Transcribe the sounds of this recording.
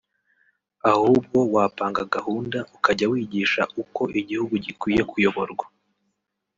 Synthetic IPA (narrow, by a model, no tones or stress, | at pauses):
ahuːb̚ɡo̞waːpaːŋɡaɡahuːndaʔukaɟawiːɟiːʃaʔuko̞ʔiɟihuɡuɟikwiːje̞kʰujo̞βo̞ɾɡwa